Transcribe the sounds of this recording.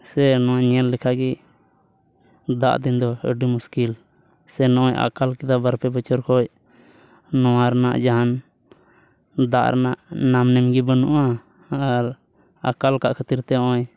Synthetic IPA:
sɛnɔwaʔɲɛlːɛkʰaɡi | d̪a̰ʔd̪ind̪ɔə̰ɖimuskil | sɛnɔ̃ʔɔja̰kalkid̪abaɾpɛbət͡ʃɔɾkʰɔj | nɔ̃waɾana̰ʔd͡ʒaɦan | d̪aʔɾʔa̰naʔnamnɛmɡibənuʔaː | ɾ | akalkaʔkʰət̪iɾt̪ɛɔ̃ʔɔɲ

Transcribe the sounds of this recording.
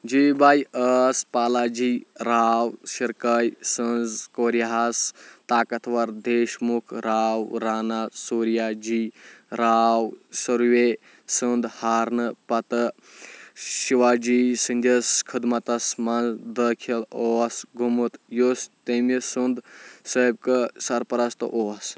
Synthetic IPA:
d͡ʒibaːjəːspaːlaːd͡ʒiːɾaːwsiɾkɐjsɨnzkoːɾijaɦast̪aːkɐt̪ʰʋɐɾd̪eːʃmukʰɾaːwɾaːnasuːɾijad͡ʒiːɾaːwsɐɾwe | sɨnd̪haːɾnɨpɐt̪ɨ | ʃiʋaːd͡ʒiːsɨnʲd͡ʒ̪ɐskʰɨd̪mɐt̪ɐsmɐnzd̪əkʰiloːsɡʱumɨt̪jost̪emisɨnd̪səːb̚kɨsɐɾpɐɾɐst̪ɨ̰ʔoːs

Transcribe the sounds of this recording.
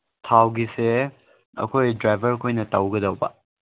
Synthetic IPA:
tʰawɡise | ɐ̰kʰojdɾajbʱɐɾkʰojnɐtɐwɡɐdɐwba

